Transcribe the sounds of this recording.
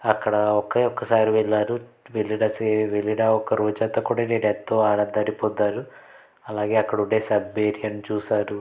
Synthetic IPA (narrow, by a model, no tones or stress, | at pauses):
ɐkːɐɽɐɔkːɐɔkːɐsaːɾiʋɛɭːaːɾu | ʋelːiɽɐseʋeliɽaːɔkːɐɾoːd͡ʒat̪ɐkuːɽaneːɽet̪ːoːaːnɐnd̪aːnipod̪ːaːɾu | ɐlaːɡe̞ːɐkːɐɽuɳɖeːsɐbːeːɾiɐnit͡ʃuːsaːɾu